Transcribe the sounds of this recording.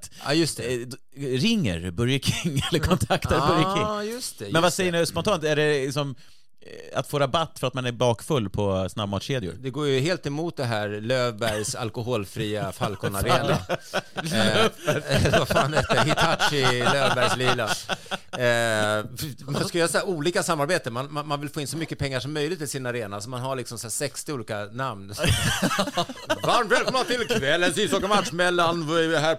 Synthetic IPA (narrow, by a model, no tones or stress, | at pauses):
t̪ːjɵst̪ɛ | ɾɪŋːə̰ɾbɵɾjakʰɪŋːɛlːəɾkʰɔnt̪ʰakt̪abœɾjakʰɪŋjɵst̪ɛmɛnvasɛjːəɳʉspɔnt̪ʰɑːnt̪æɖɛlɪksɔm | a̰t̪foːɾabat̪ːfœɾat̪manæɾbɑːkfɵlːpʰɔsnabmɑːt̪ɕeːd̪ɪʊ̰ɾd̪ɛɡoːɾjəɦeːlt̪ɛmuːt̪̚d̪ɛɦæɾløːvbæɾjsa̰lkʊɦoːlfɾiːafalkɔnaɾeːna̰ | ɛlːəɾvafaːnɛt̪ɛhɪt̪ʰaʈʂɪløːvbæɾjslɪlːa | manskajɑːsɛɾuːliːkasamːaɾbeːt̪əmanmanmanvɪlfoːɪnsɔmʏkːəpʰɛŋːaʂɔmːœjlɪɡ̚t̪ʰːɪlsɪnaɾeːnasɔmanɦaɭɪksɔmsæːsɛkst̪ɪuːliːkanamns | vaɾmt̪vɛːlkʰɔmnat̪ʰɪlkʰvɛlːənsist̪ɔkamat̪ʂmɛlːanvaɛɾvɪɦæː